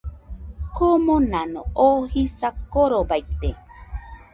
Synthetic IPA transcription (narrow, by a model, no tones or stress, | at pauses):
komonãnõ̰ohisakoɾobajt̪e